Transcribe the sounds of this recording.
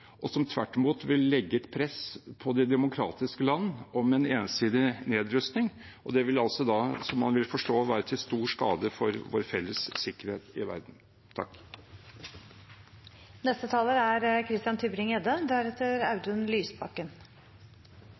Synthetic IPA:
ʔɔsɔmt̪ʰʋæ̰ʈːɪmuːt̪ʋɪlːɛɡːəɛt̪pʰɾɛspʰɔd̪ɛd̪ɛmʊkʰɾɑ̰ːt̪ɪskəlɑnːɔmɛneːnsiːd̪ɪneːd̪ɾʉst̪nɪŋ | ʔɔd̪ɛʋɪlɑlsɔd̪ɑsɔmːɑnʋɪlfɔʂʈoːʋæːɾət̪ʰɪlst̪uːʂkɑ̰ːd̪əfɔɾʋo̰ːɾfɛlːəsːɪkːəɾheːt̪ɪ̰ʋæ̰ɾd̪n̩ | t̪ʰɑ̰kː | nɛst̪ət̪ʰɑːləɾæɾkʰɾɪst̪ɪjɑnt̪ʰʉbɾɪŋɛd̪əd̪æɾɛt̪ːəɾɑʉd̪ʉnlyːsbɑkːən

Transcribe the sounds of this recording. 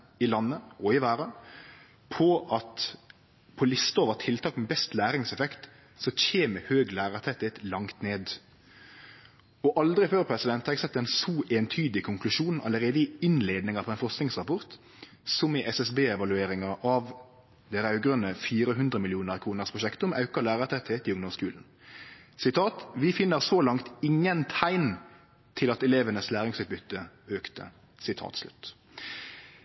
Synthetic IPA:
ɪlɑnːəʔɔɪʋæːɾə | pʰɔʔɑt̪ | pʰɔlɪst̪əoːʋəʁt̪ʰɪlt̪ʰɑːkmɛbɛst̪læːɾɪŋsɛfɛkt̪ | sɔc͡çeːməhøːɡlæːʁət̪ʰɛt̪ːɪɛt̪lɑŋt̪neːd̪ | ɔʔɑld̪ɾɪføːɾpʰɾɛsɪd̪ɛnt̪hɑʁɛɡsɛt̪ːɛnsuːʔeːnt̪ʰyːd̪ɪkʰʊŋklʉʃuːnɑ̰ləʁeːd̪əɪɪnleːd̪nɪŋɑpʰɔɛːnfɔʁsknɪŋsʁɑpɔʁt̪ | sɔmɪʔɛsɛsbeːɛʋɑlʉeːɾɪŋɑʔɑʋ | d̪ɛːʁɑʉɡʁœnːəfiːɾəɦʉnd̪ʁəmɪlɪuːnəʁkʰʁuːnəʁspʰʁʊʃɛkt̪ɔmɑʉkɑlæːʁət̪ʰɛt̪heːt̪ɪʊŋd̪ɔmskʉːln̩ | sɪt̪ʰɑːt̪ʋɪfɪnːəʁsoːlɑŋt̪ɪŋːənt̪ʰæɪn | t̪ʰɪlɑt̪ɛleːʋənəslæːʁɪŋsʉːt̪̚bʏt̪ːə | øːkt̪ə̰ | sɪt̪ʰɑ̰ːt̪slʉ̰t̪

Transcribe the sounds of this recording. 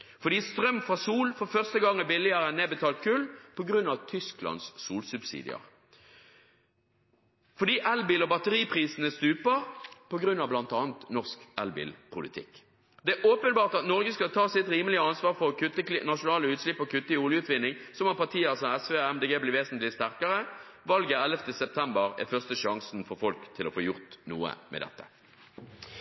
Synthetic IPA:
fɔɾd̪iːst̪ʁœmːfɑsuːlfɔɾfœʁst̪əɡɑŋːəbɪlːɪəɾəɛneːbət̪ʰɑːlt̪̚kʰʉlːpʰɔɡʁʉnːɑʋt̪ʰʏsklɑ̰nsːuːlsʉbsḭːd̪ɪ̰ə̰ɾ | fɔɖ̪iːʔɛlbiːlɔbɑt̪əʁiːpʰʁiːsənəst̪ʉːpəɾpʰɔɡɾʉnːɑʋblɑnt̪ɑːnt̪nɔʁskɛ̰lbḭlpʰʊ̰lɪt̪ʰɪ̰k | d̪ɛʔoːpənbɑːʁt̪ɑt̪nɔʁɡəskɑlt̪ʰɑːsɪt̪ɾiːməlɪəɑnsʋɑːʁfɔʁkʰʉt̪ːəkɪnɑʃʊnɑːləʉːt̪slɪpːɔkʰʉt̪ːəɪʊljəʉːt̪ʋɪnːɪŋsɔmɑpɑʁt̪ʰiːəsɔmɛsʋeːɛmd̪eːɡeːblɪʋeːsnt̪lɪst̪æʁkəʁə | ʋɑlɡəɾɛləft̪əsɛp̚t̪ʰɛmbəʁɛ̰fœʁst̪əʃɑŋsn̩fɔʁfɔlkt̪ʰɪlɔ̰foːjʊʁt̪nṵːə̰mʔɛ̰d̪ɛ̰t̪ːə̥

